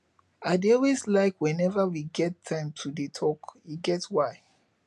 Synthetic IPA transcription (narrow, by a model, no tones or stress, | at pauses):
adeɔlweslaɪkwɛ̃nɛvawiɡɛtʰːãɪ̃mtʰudetʰɔkiɡɛtwaɪ